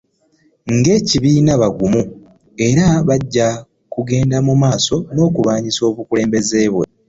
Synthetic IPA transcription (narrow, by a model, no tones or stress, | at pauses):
ŋɡe̞ːciβiːnaβaɡumu | e̞ɾaβaɟːa | kuɡe̞ːndamumaːso̞no̞ːkuβaːɲiso̞ːβukule̞ːmbe̞ze̞ːβwe̞